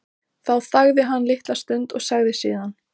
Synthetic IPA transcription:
θawθaɣðɪɦanːlɪht̪last̪ʏnt̪ɔɣsaɣðɪsḭːðan

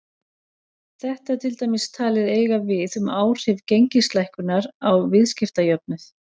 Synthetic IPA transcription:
θɛht̪at̪ʰɪlt̪ajmɪst̪ʰaːlɪðeːjɣavɪðʏmaːwr̥ɪvcejɲcɪst̪lajhkʏnaɾawvɪðscɪft̪ajœp̚nʏθ

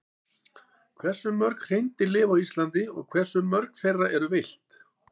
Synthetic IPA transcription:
kʰvɛr̥sʏmːœɾkr̥ejnt̪ɪlɪːvawist̪lant̪ɪɔ̰ɣkʰvɛr̥sʏmːœɾkθejrːaʔɛɾʏvejl̥t̪

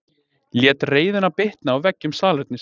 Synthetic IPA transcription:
ljɛːt̪reːjðʏnapeht̪naːwvɛcːʏmsaːlɛt̪nɪs

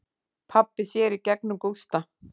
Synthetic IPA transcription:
pʰapːɪsjɛɾicɛk̚nʏmkowst̪a

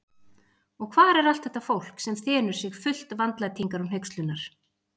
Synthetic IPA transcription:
ɔɣkʰvaːɾɛɾal̥t̪θɛht̪ːafowl̥ksɛmθɛːnʏɾ̥sɪɣfʏl̥t̪vant̪lajt̪ʰiŋkaɾumɦejkst̪lʏnːaɾ̥

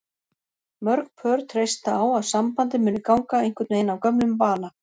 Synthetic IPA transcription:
mœɾk̚pʰœɾt̪ʰɾejst̪aaːwaðsampant̪ɪmʏːnʏkawŋkaejŋ̥kʰvʏɾt̪nejnawkœmnʏmpaːna

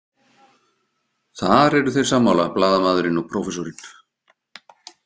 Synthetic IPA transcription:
θaɾɛɾʏθejr̥saːmːawlaplaːðamaːðɾɪnɔɣpʰɾoːwfɛsoɾɪn

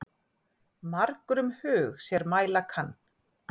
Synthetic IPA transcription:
maɾkɾʏmhʏːɣsjɛɾmaːjlakʰanː

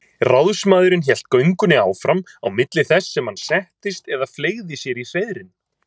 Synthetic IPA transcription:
rawðsmaːðʏɾɪnçjɛl̥t̪̚kœɥŋkʏnɪaːwfɾama̰wmɪt̪lɪθɛsːɛmhansɛht̪ɪst̪ɛðafleːɣðɪsjɛɾir̥eːjðɾɪn

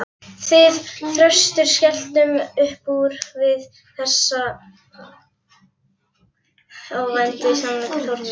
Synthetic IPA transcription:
θvɪðθɾœst̪ʏɾ̥scɛl̥t̪ʏmʏhpuɾ̥vɪð | θɛsːa | aːwvajnt̪ɪsanvat̪ɪlɔɾ̥t̪

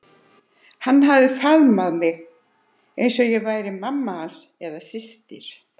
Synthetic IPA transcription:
hanːɦavðɪfaðmaðmɪɣ | ejnsɔjɛɣvaːjɾɪmamːas | ɛðasɪst̪ɪɾ̥

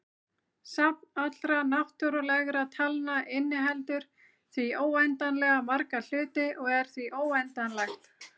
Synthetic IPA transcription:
sapnat̪lɾanaht̪ɔɾʏlɛɣɾat̪ʰalnaʔɪnːɪɦɛlt̪ʏɾ̥ | θvioːwɛjnt̪anlɛɣamaɾkal̥ʏːt̪ɪʔɔɣɛɾ̥θviʔoːwɛjnt̪anlajxt̪

